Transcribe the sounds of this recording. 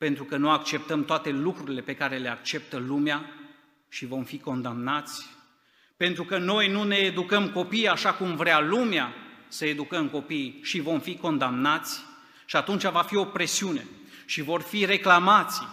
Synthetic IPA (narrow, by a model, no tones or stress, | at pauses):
pe̞nt̪ɾukənuakt͡ʃe̞p̚t̪əmt̪oat̪e̞lukɾuɾile̞pe̞kaɾe̞le̞ak̚t͡ʃe̞p̚t̪əlumea | ʃivo̞mfiko̞nd̪amnat̪sʲ | pe̞nt̪ɾukəno̞jnune̞ːd̪ukəmko̞pijaʃakumvɾealumeasəe̞d̪ukəmko̞pijʃivo̞mfiko̞nd̪amnat̪sʲ | ʃiat̪unt͡ʃavafio̞pɾe̞siune̞ | ʃivo̞rfiɾe̞klamat̪sʲ